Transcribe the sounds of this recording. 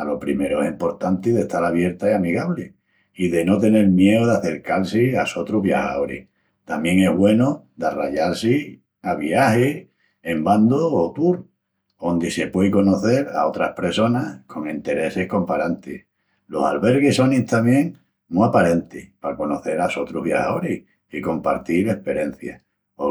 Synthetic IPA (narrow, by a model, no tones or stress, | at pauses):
alo̞pɾime̞ɾoesimpo̞ɾt̪ant̪iðe̞ht̪alaβje̞ɾt̪aiamiɣaβle | iðe̞no̞t̪e̞ne̞lmje̞oðaθe̞ɾkalsiaso̞t̪ɾuβja̰ha̰oɾḭh | t̪amje̞ŋe̞ɦβwe̞nod̪ara̰ʎalsi | aβiahi | emband̪oːt̪uɾ | ond̪ise̞pwejko̞no̞θe̞ɾa̰o̞t̪ɾahpɾe̞so̞nahkʰo̞ŋint̪e̞ɾe̞sehko̞mpaɾant̪ḭ | lo̞sa̰lβe̞ɾɣiso̞nit̪amjẽ̞ŋ | muapaɾe̞nt̪ihpako̞no̞θe̞ɾaso̞t̪ɾuɦβja̰ha̰oɾih | iko̞mpa̰ɾt̪iɾe̞hpe̞ɾe̞n̟θja̰ | o